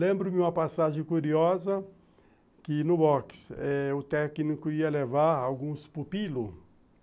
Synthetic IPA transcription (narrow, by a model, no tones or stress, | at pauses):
lẽmbɾʊmɪũɐpasaʒẽkuɾiɔzɐ | kɪnʊbɔksɛʊt̪ɛknikʊiɐlevaɾawɡũspupilʊ